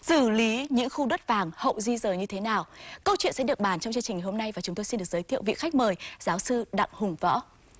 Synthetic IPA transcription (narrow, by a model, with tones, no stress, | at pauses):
sɨ˧˩li˨˦ɲɨ̰˧˥ŋxu˧ɗə˦˥t̚vaː˨˩ŋhə̰˧˨wzi˧zəː˨˩ɲɨ˧t̪ʰe˨˦naː˨˩wkə˧wt͡ɕwḭ˧˨nsɛ̰˧˥ɗɨ˨˩ək̚ɓaː˧˩nt͡ɕɔ˧wŋ͡mt͡ɕɨ˧ŋt͡ɕï˨˩ŋ˨˩ho˧mna˧jvaː˨˩t͡ɕʊ˨˦ŋ͡mt̪o˧si˧nɨ˨˩əzəː˨˦jt̪ʰḭ˧˨əwvḭ˧˨kxa˦˥k̚məː˨˩jz̥aː˨˦wsɨ˧ɗa̰˧˨ŋhʊ˨˩ŋ͡mvɔ̰˧˥